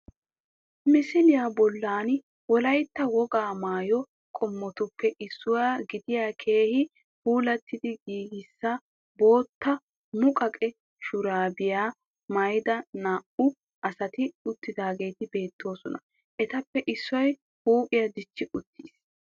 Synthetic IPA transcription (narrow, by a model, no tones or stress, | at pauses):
mɪsɪlɪjaːbɔlːaːn | wɔlɐjt̪ːɐwɔɡaːmaːjɔ | kʼɔmːɔt̪ʊpːɛʔɪsːʊwaːɡɪd̪ɪjaːkʰe̞ːhɪ | huːlɐt̪ːɪd̪ɪɡiːɡɪsːɐ | bo̞ːt̪ːɐ | mʊkʼɐkʼɛ | ʃʊɾaːbɪjaː | mɐjd̪ɐnaːʔʊ | ʔɐsɐt̪ɪʊt̪ːɪd̪aːɡe̞ːt̪ɪbe̞ːt̪ʰːo̞ːsɔnɐ | ʔɛt̪ɐpːɛʔɪsːʊwɐj | huːpʼɪjɐd̪ɪt͡ʃːɪʔʊt̪ʰːiːs